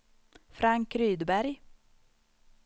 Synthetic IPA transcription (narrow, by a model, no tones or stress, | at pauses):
fɾaŋkɾyːd̪bæɾj